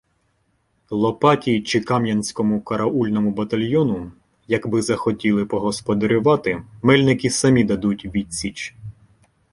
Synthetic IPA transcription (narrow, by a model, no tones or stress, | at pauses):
lˠɔpɑtʲit͡ʃɪkɑmjɐnʲsʲkɔmʊkɐɾɐʔulʲnɔmʊbɐt̪ɐlʲjɔnʊ | jɐkbɪzɐxɔtʲilˠɪpɔɦɔspɔd̪ɐɾʲʊʋɑt̪ɪmɛlʲnɪkɪsɐmʲid̪ɐd̪utʲʋʲit̚ʲsʲit͡ʃ